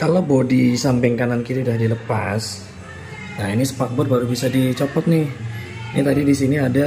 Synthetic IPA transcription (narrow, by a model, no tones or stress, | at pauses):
kalobodisampɪŋkanankiɾaudahdiləpa̰s | nainisə̥pak̪̚bɔr̚baɾubisadit͡ʃɔpɔt̪̚nɪhnit̪adidisiniada